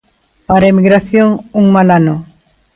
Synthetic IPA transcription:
paɾaemiɣɾaθjoŋuŋmalano

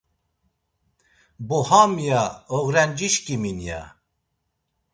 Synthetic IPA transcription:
bohamijaoɣɾɛnd͡ʒiʃkiminja̰

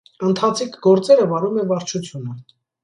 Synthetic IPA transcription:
ənt̪ʰɑt͡sʰikʰɡɔɾt͡sɛɾəvɑɾumɛvɑɾt͡ʃʰut͡sʰjunə

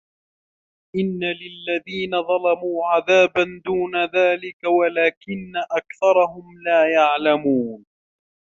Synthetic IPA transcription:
ʔɪnːalɪlːaðiːnaðˤɑlɑmuːʕaðaːband̪uːnaðaːlɪkawalaːkɪnːaʔakθɑɾˤɑhʊmlaːjaʕlamuːn

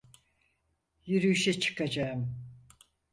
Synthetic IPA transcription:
jyɾyyʃɛt͡ʃʰɯ̥kʰad͡ʒaɯm

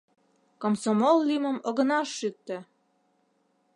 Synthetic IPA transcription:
komsomollimə̆mɤ̆ɣɤ̆nɑʃːyk̚t̪ø̆

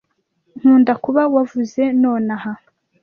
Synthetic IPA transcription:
n̥uːndakuβawavuze̞noːnaha

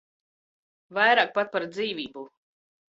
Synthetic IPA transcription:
vajɾaːk̚pat̪̚paɾd̪ziːvʲiːbu

